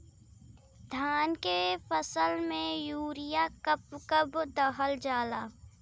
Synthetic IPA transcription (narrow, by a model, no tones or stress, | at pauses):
d̪ʱaːnkefəsəlmẽjuːɾɪjakəpkəbd̪ɐɦəld͡ʒaːlaː